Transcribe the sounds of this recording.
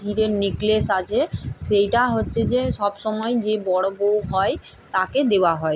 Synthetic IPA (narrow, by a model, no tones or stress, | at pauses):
iɾeɾneklesat͡ɕʰeʃejʈaɦotːɕʰed͡ʑeʃɔbʃɔmɔed͡ʑebɔɽobowɦɔe | t̪aked̪ewaɦɔe